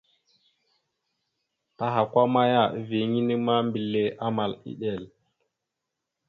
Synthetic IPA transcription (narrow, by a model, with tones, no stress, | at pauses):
ta˦ɦa˨kʷa˦ma˦ja˦˨vi˨ŋi˦ni˦ma˦mbi˨lːe˨ʔa˦ma˨lḭ˦ɗe˨l